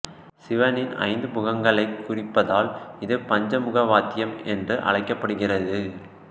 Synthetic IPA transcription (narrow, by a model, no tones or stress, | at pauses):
sɪʋɐnɪnɐ̰ɪnd̪ɯpʊɣɐŋɡɐɭɐɪkːʊrɪpːɐðaːlɪðɯpɐɲd͡ʒɐmʊɣɐʋaːt̪ːɪjɐmɛndrɯʔɐ̰ɭɐɪkːɐpːɐɽɯɣɪrɐðɯ